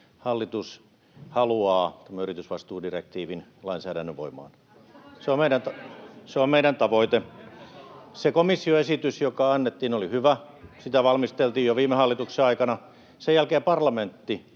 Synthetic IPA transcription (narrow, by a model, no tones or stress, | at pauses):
hɑlːit̪us | hɑluɑːt̪æmːæyrit̪ysʋɑst̪uːdirek̚t̪iːʋinlɑinsæːɾænːøʋʋo̰imˑɑ̰ːn | seommeiɾænt̪ɑseommeiɾænt̪ɑʋoit̪e | sekomisːioesit̪ysjokɑɑnːet̪ːiːnolihyʋæ | sit̪æʋɑlmist̪elt̪iːjoʋiːmːehɑlːit̪ukseɑikɑnɑ | sejælkeːpɑrlɑment̪ːi